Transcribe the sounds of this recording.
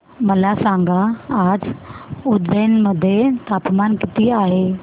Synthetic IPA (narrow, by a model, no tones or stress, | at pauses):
məlasãŋɡaad͡zud̪əjnməd̪ʱːjet̪apmankit̪iaɦe